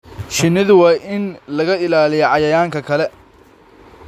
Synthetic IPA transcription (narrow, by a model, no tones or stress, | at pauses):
ʃɪnɪðʊwɑːjʔɪnlɐɣɐɪlaːlɪjɔʕɑjɐjaːŋkʰɐkʰɐlɛ